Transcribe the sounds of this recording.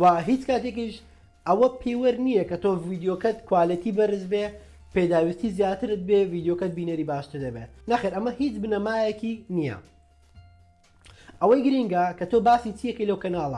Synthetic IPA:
waɦiːt͡skaːt̪ek̬iʃ | ɐwɐpʰewɐɾnijɐkɐt̪oviːd̪jokɐt̪kwaːlit̪iːbɐɾɨzbe | ped̪aːwist̪iːzjaːt̪ɨɾɨt̪̚beviːd̪jokɐt̪̚biːnɐɾiːbaːʃt̪ɨɾd̪ɐbḛnaxeːɾʔɐmɐhiːt͡ʃbɨnɐmaːjɐkinijɐ̰ | ʔɐwɐjɡɨɾiŋɡɐkɐt̪ʰoːbaːsit͡siɐkɐjlɐwkɐnaːlˠɐ̰

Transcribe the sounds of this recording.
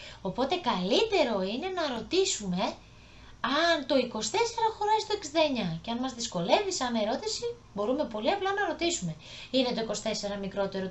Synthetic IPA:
o̞po̞t̪e̞kɐlit̪e̞ɾo̞ine̞nɐɾo̞t̪isume̞ | ɐnt̪o̞iko̞st̪e̞se̞ɾɐxo̞ɾɐist̪oeksind̪ɐeɲɐceɐnmɐzðisko̞le̞visɐne̞ɾo̞t̪isi | bo̞ɾume̞po̞liɐplɐnɐɾo̞t̪isume̞ | ine̞t̪oiko̞st̪e̞se̞ɾɐmikɾo̞t̪e̞ɾo

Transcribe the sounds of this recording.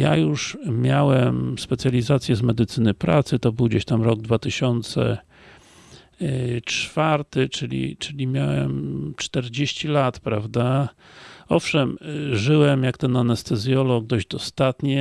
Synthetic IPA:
ja̰juʂmʲjawɛmspɛt̪sʲjalʲizat̪sʲjɛzmɛd̪ɘt̪sɘnɘpɾa̰t̪sɘt̪ɔbɘwɡd͡ʑeɕt̪amɾɔɡd̪vat̪ɘɕɔnt̪sɛ̰ | t͡ʂfaɾt̪ɘt͡ʂɘlʲḭt͡ʂɘlʲimʲjawɛmt͡ʂt̪ɛɾd͡ʑeɕt͡ɕilat̪pɾavd̪a | ɔfʂɛmʐɘwɛmjakt̪ɛnanɛst̪ɛzʲjɔlɔɡ̚d̪ɔʑd͡ʑd̪ɔst̪at̪ɲɛ

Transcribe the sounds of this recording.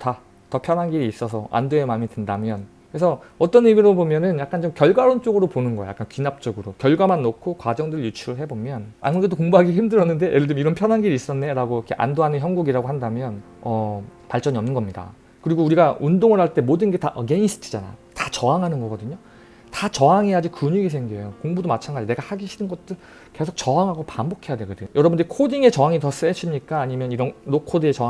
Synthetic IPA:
ta | tʌpʰjʌnɦanɡiɾiːs͈ʌsʰʌʔa̰ndoemamidwendamjʌn | kɯɾe̞sʰʌʌt͈ʌnimiɾobomjʌnɯnjak͈̚ant͡ɕomkjʌɭɡwaɾont͡ɕ͈oɡɯɾoponɯnɡʌj̰jak͈ankɥinap̚t͡ɕ͈ʌɡɯɾokjʌɭɡwamanːokʰokwad͡ʑʌŋdɯɾɯɭjut͡ɕʰuɾɯɭɦe̞bomjʌna̰mudedokoŋbuɦaɡeɦimdɯɾʌnːɯnde̞ʔeɾɯɭt͡ɕomiɾʌnpʰjʌnɦanɡiɾiːs͈ʌnːe̞ɾaɡoikʰe̞ʔa̰ndoɦanɯnçjʌnɡuɡiɾaɡoɦandamjʌn | ʌpaɭt͡ɕ͈ʌɲiʌmnɯnɡʌmɲida̰ | kɯɾiɡouɾiɡaundoŋɯɭhaɭt͈e̞modɯnɡe̞taʔɡe̞ins͈ʰɯ̥t͡ɕʰi̥d͡ʑana̰tat͡ɕʌaŋɦanɯnɡʌɡʌdɯɲo | tat͡ɕʌɦaŋe̞jad͡ʑikuɲiɡis̬ʰeŋɡiejokoŋbudomat͡ɕʰanɡad͡ʑine̞ɡahaɡiɕʰinɯnɡʌt̚t͈ɯɭ | ke̞sʰok̚t͡ɕʌɦaŋɦaɡopambokʰe̞jadekɯdejʌɾʌbundɾikʰodiŋe̞t͡ɕʌɦaŋitʌs͈eɕʰimɲik͈aːɲimjʌniɾʌnɾokʰodɯe̞t͡ɕʌ

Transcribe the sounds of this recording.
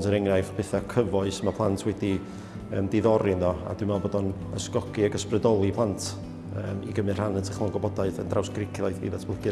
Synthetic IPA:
dʰəɾɛŋnajfpʰɛθakʰəvɔɨsmapʰlˠantʰwɛdi | əmdɪðɔɾɪnðɔa̰dwɨmɛlˠbodɔn | ə̰skɔkʰiaɡəsprədɔlˠipʰlˠantʰ | əːmḭɡəmɨr̥anəntʰəχmanɡɔbɔdaɨðəndrawsɡ̥rɪkʰjaɨθḭðatʰblˠəkɨ

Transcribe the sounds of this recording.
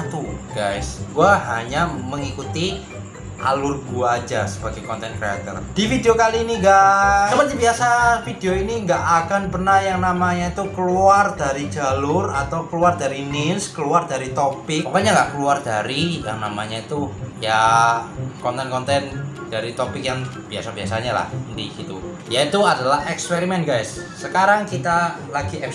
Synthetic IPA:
t̪uɡ̥ajsɡ̥uaɦaɲaməŋikut̪i | ʔa̰lʊrɡ̥uaːd͡ʒasəb̥aɡakɔnt̪ɛnkɾea̰t̪ə̰rd̥ifideokaliːniɡasəməd͡ʒəbiasafideoiniŋɡaʔakanpərnahjaŋnamaɲait̪ukəluardaɾid͡ʒalʊrat̪awkəluardaɾinɪnskəluardaɾit̪opɪk̚pakaɲalahkəluardaɾija̰ŋna̰ma̰ɲait̪uja | kɔnt̪ɛnkɔnt̪ɛnd̥aɾit̪ɔpɪk̚jaŋb̥ia̰sabiasa̰ɲala̰hənt̪ḭɡ̥it̪u | jait̪uadalahɛkspeɾimɛnɡajsː | əkaɾaŋkit̪a | laɡ̥iɛ

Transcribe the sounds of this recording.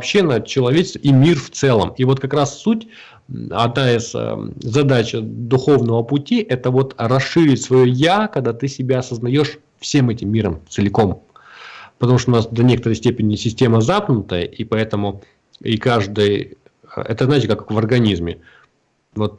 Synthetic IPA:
vɐpɕːenət͡ɕɪlˠɐvʲet͡ɕɪst̪vəimʲirft̪sɛlˠə̰mivo̞t̪̚kɐkɾasːutʲ | ɐ̰d̪naɪz̥̰zɐd̪at͡ɕd̪ʊxo̞vnəvəpʊtʲiʔɛt̪əvo̞t̪rɐsʂɨɾʲɪtʲsvɐjojakɐɡ̚d̪at̪ɨsʲɪbʲaɐsəznɐjo̞ʂ | fsʲe̞mɛtʲɪmːʲiɾəmt̪sɨlʲɪko̞m | pət̪ɐmuʂ̬t̪oʊnasd̪ɐnʲekət̪əɾəjsʲtʲepʲɪnʲɪsʲɪsʲtʲe̞məzap̚nʊt̪əjə̰ʔipɐɛt̪əmʊ | ḭkaʐd̪ɨj̰ | ɛ̰t̪əznajtʲɪkakvərɡɐnʲizmʲɪ̰ | vo̞t̪̚

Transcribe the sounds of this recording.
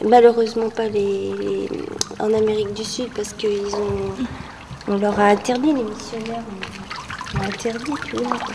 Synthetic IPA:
maløʁøzmɑ̃palḛ | ɑ̰̃nameʁik̚d̪ysyd̪̚paʁsə̥kəilzɔ̃ | ɔ̃lœʁaɛ̃t̪ɛʁd̪ilemisjɔnɛʁɔ̃ | ɛ̃t̪ʰɛʁd̪it̪uakwa

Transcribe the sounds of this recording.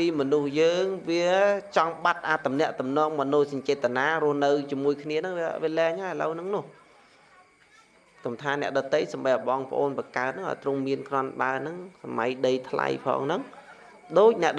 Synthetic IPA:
piːmɔnuhjəːŋʋiət͡ɕɑŋɓat̪̚ʔaːt̪ːumnɛ̆əʔt̪umnɔəŋmɔnoːsɑɲt͡ɕɛːt̪ʰːanaːɾʊ̆əhnɨwt͡ɕiəmuəjkʰniənɨŋʋiəʋiəlɛːɲhaəjhalə̰wnɨŋnʊ̆əh | kɑmt̪ʰaːnɛ̆əʔɗɑt̪ːəjsamɓəɓɑːŋpə̆ʔoːnpɑkaət̪̚nɨŋʔa̰ɔjt̪roŋmiənkrŏənɓaənɨŋsama̰jɗəjt̪ʰla̰jpʰɑ̰ːŋnɨŋ | ɗoːc̚nɛ̆əʔɗ

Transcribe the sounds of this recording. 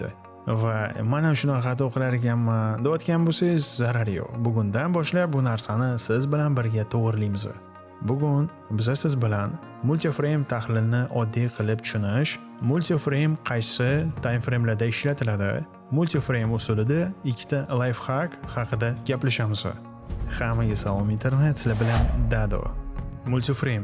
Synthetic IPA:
t̪ːɪ̰ | vamanamʃʊnaχɑt̪ɒqʰɨlaɾɡʲanmand̪ebɒt̪kʲanbosajɪzzaɾaɾjo̰qbʊɡʊnd̪anbɒʃlap̚bʊnaɾsanɪsɪzbɪlanbɪɾɡʲat̪ʰoʁɨɾlijmɪzɪ̰ | bʊɡʲʊn | bɪzasɪzbɪlan | mʊlʲt̪ifɾejmt̪ʰahlɪlnɪʔɒd̪ːijqʰɨlɪp̚t̪ʰʊ̥ʃʊnɪʃ | mʊlʲt̪ʰifɾejmqʰɑjsɪt̪ʰajnfɾejmlaɾd̪aɪʃlat̪ʰɪlad̪ɪ̰ | mʊlʲt̪ʰifɾejmʊsʊlɪd̪aɪkʲʰːɪ̥t̪ʰalˠajfhakhɑqʰɨd̪aɡʲaplaʃamɪzɪ̰ | hamaɡʲɪsalˠomɪnt̪ʰeɾnet̪sɪlɪbɪland̪ad̪o̰mʊlʲt̪ifɾejm

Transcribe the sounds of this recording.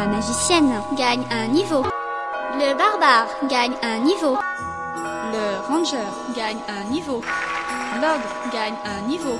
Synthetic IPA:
amaʒisjɛnɡaɲɛ̃nivo | ləbaʁbaːʁɡaɲɛ̃nivo | ləʁɑ̃ʒœːʁɡaɲ | ɛ̃nivo | lɔʁd̪ʁɡaɲ | ɛ̃nivo

